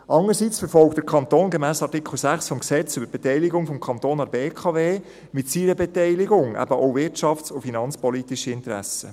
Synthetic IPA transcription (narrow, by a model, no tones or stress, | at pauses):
ʔɑŋəɾsit͡sfəɾfɔlk̚t̚dəɾkʰɑnt̪oːnɡɛmæːsɑtikʰl̩sæχsfɔmksɛt͡sʏbəɾb̥ɛtɛɪliɡʊŋfɔmkʰɑnt̪oːnɑɾbeːkʰɑveː | mɪtsiɾəbɛtɛɪlɪɡʊŋʔæ̰bəʔoʊvɪtt͡ʃɑft͡sʊfinɑnt͡spɔlit̪iʃəɪntəɾæ̰sə